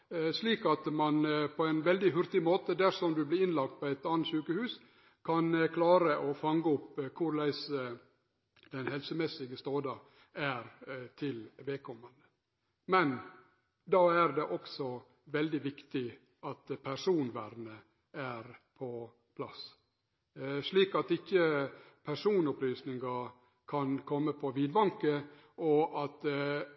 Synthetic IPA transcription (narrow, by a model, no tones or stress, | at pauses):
ʂliːkɑt̪mɑnpʰɔæɪnʋɛld̪ɪɦʉɾt̪ɪmoːt̪əd̪æɾʂɔmd̪ʉblɪɾɪnlɑk̚t̪̚pʰɔæɪt̪ɑːnət̪ʃʉːkəhʉːs | kʰɑnkʰlɑːɾəʔɔfɑŋɡəʊpːkʰʊɾlæɪsə | d̪̥ɛnhɛlsəmɛsːɪɡəst̪oːd̪ɑ | æɾt̪ʰɪlʋɛlkʰɔmːɑnd̪ə | mɛn | d̪ɑːæɾd̪ɛʔɔksɔ | ʋɛld̪ɪʋɪkt̪ɪ | ʔɑt̪pʰæɾʂuːnʋæɾnə | æɾpʰɔ | pʰlɑs | ʂɭiːkɑt̪ɪçːəpʰæɾʂuːnɔplyːsnɪŋɡɑ | kʰɑnkʰɔmːəpʰɔʋiːd̪bɑŋkə | ɔʔɑt̪